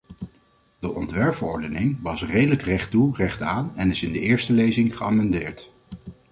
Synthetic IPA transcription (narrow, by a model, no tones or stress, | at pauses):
dəʔɔntʋɛɹpfəɹɔɹdənɪŋʋɑsrejdələkrɛχturɛχtaːnɛnɪsɪndəɪːɹstəlejzɪŋχəa̰ːmɛndɪːɹt